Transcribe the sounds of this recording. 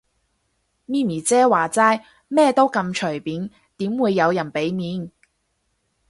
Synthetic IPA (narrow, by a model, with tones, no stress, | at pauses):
miː˥miː˨˩t͡sɛː˥waː˨˩t͡saː˥j | mɛː˥t̪o˥wkɐ˧mt͡ʃʰɵ˨˩jpiː˨˥n | t̪iː˨˥mwuː˨˧jːɐ˨˧wjɐ˨˩npe˨˥jmiː˨˧˥n